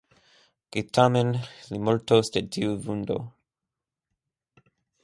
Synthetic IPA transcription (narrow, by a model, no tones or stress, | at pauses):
ɡ̥it̪ʰamenlimɔltost̪etiuvundo̰